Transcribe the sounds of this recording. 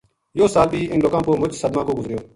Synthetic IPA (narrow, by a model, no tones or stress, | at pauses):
joːsaːlbiːʔɪnloːkãːpoːmʊd͡ʒsəd̪mãːkoːɡʊzɾɪjoː